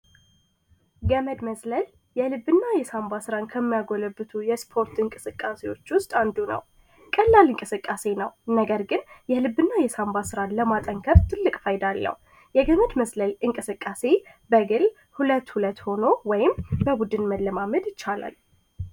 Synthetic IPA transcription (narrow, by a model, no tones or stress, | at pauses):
ɡəməd̪məsləl | jɛlɨbːɨnːajɛsambasɨɾankʰəmːjaɡo̞ləbɨt̪ʰujɛspʰo̞ɾt̪ɨŋkʼɨsɨkʼːase̞wo̞t͡ʃːwʊst̪ʼand̪unə̰w | kʼəlːalɨŋkʼɨsɨkʼːase̞nəwnəɡəɾɡɨnjɛlɨbːɨnːajɛsambasɨɾanləmat̪ʼəŋkʰəɾt̪ʰɨlːɨkʼfajɪd̪alːə̰h | jɛɡəməd̪məsləlɨŋkʼɨsɨkʼːase̞ | bəɡɨl | hulət̪ːhulət̪ːho̞no̞wɔjɪmbəbud̪ɨnməlːəmaməd̪jɪt͡ʃːala̰l